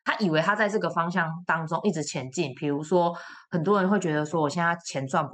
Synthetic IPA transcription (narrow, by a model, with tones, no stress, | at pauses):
t̪ʰa˦ʔi˨˩we˨˦ɪt̪ʰa˦˥t͡sa˥˧ɪʈ͡ʂɤ˥˩ɡə˩fɑ˦ŋɕ̬jɑ˥˨ŋt̪ɑ˦˥ŋʈ͡ʂʊ˥˦ŋʔi˥˩ʈ͡ʂɻ̩˨˥t͡ɕʰjɛ˨˦nt͡ɕi˥˩npʰi˨˩ɻu˧˦swɔ˦˥hə˨˩nt̪wɔ˦ɻə˧˦nxwe˥˩t͡ɕɥɛ˧˦d̪ə˧swɔ˥wɔ˨˩ɕjɛ˥n˥˩˥t͡ɕʰjɛ˨˦nt͡swa˥˨np